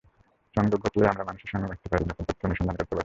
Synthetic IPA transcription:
t͡ɕɔŋd͡ʑoɡʱɔt̪lejamɾamanuʃeɾʃɔŋɡebɛk̚t̪epaɾinɛkʰonpot̪ɾoniʃɔnd̪ʱankɔɾt̪epaɾi

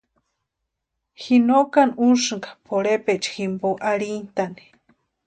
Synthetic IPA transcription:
xinoʔkanuʂɨŋkḁpʰoɽepeʔt͡ʃximboʔaɾint̪ani̥

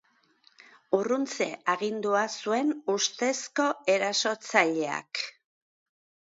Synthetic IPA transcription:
urunt͡se̞aɣind̪uasue̞nust̪e̞sko̞e̞ɾaso̞t͡saʎe̞a̰k

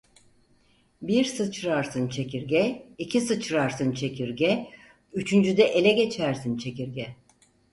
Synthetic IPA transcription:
biɾsɯt͡ʃɾaɾsɯnt͡ʃʰe̞ciɾɟɛicʰisɯt͡ʃɾaɾsɯnt͡ʃʰe̞cʰiɾɟʲɛ | yt͡ʃʰynd͡ʒyd̪ɛʔelʲɛɟe̞t͡ʃʰæɾsint͡ʃʰe̞ciɾɟʲɛ

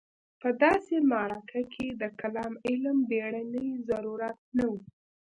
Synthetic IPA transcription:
pəd̪ɑsemaɾakʰakʰed̪əkalɑmɪlmbeɽanəjzaɾuɾat̪̚nawu

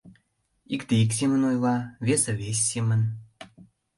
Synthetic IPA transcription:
ikt̪eiksʲemənojlɑvʲesə̆vʲesʲːemən

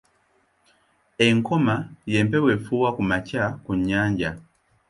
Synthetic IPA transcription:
ɛŋkʰɔmajɛmpɛwɛfuwakumacakuɲaɲd͡ʒa

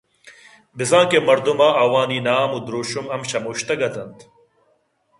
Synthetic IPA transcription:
bizãːkemɐɾd̪umaːʔɐwaːniːnaːmud̪ɾoːɕumɐmɕɐmuːɕt̪ɐɡɐt̪ɐnt̪

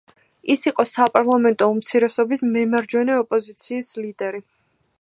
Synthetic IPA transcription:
isiqʼɔsapʼaɾlˠamɛnt̪ʼɔumt̪sʰiɾɛsɔbismɛmaɾd͡ʒwɛnɛɔpʼɔzit̪sʰiːslid̪ɛɾi

